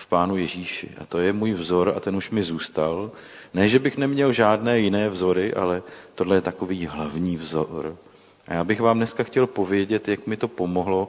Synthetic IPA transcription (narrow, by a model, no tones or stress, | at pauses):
fpaːnujɛʒiːʃɪ̰ʔa̰t̪o̞jɛmuːjvzo̞ɾa̰t̪ɛnuʃmɪzuːst̪al | nɛːʒɛbɪxnɛmɲɛlʒaːdnɛːjɪnɛːvzo̞ɾɪʔa̰lɛt̪odlɛjɛt̪ako̞viːɦlavɲiːvzoɾ | ʔa̰jaːbɪxvaːmnɛskaxcɛlpo̞vjɛɟɛt̪jakmɪt̪o̞po̞mo̞ɦlo̞